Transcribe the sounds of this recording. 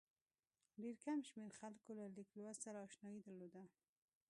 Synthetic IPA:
ɖeɾkamʃmeɾxalkolalɪklowassaɾaɔʃnɑjid̪əɾlod̪a

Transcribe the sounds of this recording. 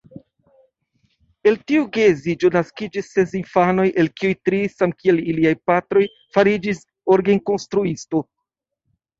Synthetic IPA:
e̞ltiuɡezid͡ʒonaskid͡ʒisːe̞s̬infano̞jʔe̞lkiujtɾisamkie̞liliajpatɾo̞j | faɾid͡ʒis | oɾɡenko̞nstɾuisto̞

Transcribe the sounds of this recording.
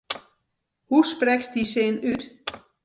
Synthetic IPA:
husprɛksd̥iseːnyt

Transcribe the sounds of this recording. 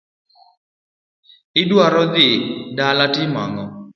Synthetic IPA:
ɪdwaɾɔd̪ɪdalatɪma̰ŋɔ

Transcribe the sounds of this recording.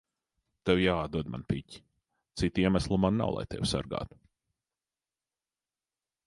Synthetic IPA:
t̪ewjaːd̪̚d̪uɔd̪ma̰npicʲi̥ | t̪sit̪iɛmaslˠumanːa̰wlˠa̰jt̪ḛwsa̰ɾɡa̰ːt̪u̥

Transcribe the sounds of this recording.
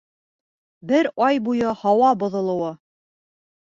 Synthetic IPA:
bɘɾɑjbujɤhɑwɑbŏðŏlˠŏwɤ

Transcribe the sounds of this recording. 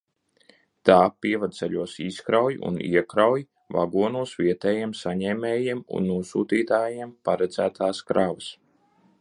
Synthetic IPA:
t̪aːpiɛvad̪̚sɛʎʲuɔsiskɾawjṵnḭɛkɾawj | va̰ɡuɔnuɔsʋiɛt̪ɛːjiɛmsaɲɛːmɛːjiɛmṵnːuɔsuːt̪iːt̪aːjiɛmpaɾɛd̪zæːt̪ʰaːskɾavəs

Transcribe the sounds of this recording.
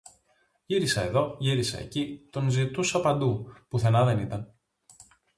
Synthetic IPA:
ʝiɾisɐe̞ðo̞ʝiɾisɐ̰ḛcit̪o̞nzit̪usɐpɐnd̪upuθe̞nɐðe̞nit̪ɐn

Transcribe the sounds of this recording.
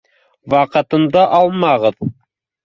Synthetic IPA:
wɑqɤ̆t̪ɤ̆nd̪ɑʔɑlˠmɑʁɤð

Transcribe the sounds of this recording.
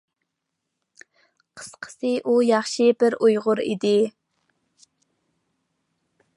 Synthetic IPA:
qʰə̥sqʰə̥sɨʔujɑχʃɪbɪɾujʁʊɾḭd̪ɪ

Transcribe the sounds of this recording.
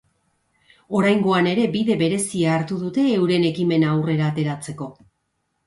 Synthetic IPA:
o̞ɾajŋɡo̞ane̞ɾe̞biðe̞βe̞ɾe̞siaːɾt̪uðut̪e̞ːwɾe̞ne̞kime̞naawre̞ɾaːt̪e̞ɾat͡se̞ko̞

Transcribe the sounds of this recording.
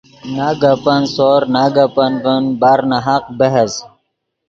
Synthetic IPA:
naːɡapɐnsoːɾnaɡapɐnvənbaːɾnaɦaq̚bɐɦɐz

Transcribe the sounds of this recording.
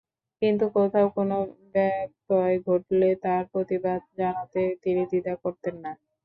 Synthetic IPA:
kint̪̬ukot̪ʰaokonobɛk̚ʈɔeɡʱoʈlet̪aɾpɾot̪ibad̪̚d͡ʑanat̪et̪inid̪id̪akoɾt̪enːa

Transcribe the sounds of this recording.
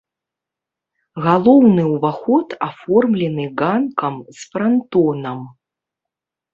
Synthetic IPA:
ɣalˠɔwnɨwvaxɔt̪afɔrmlʲɛnɨɣankɐmsfɾant̪ɔnɐm

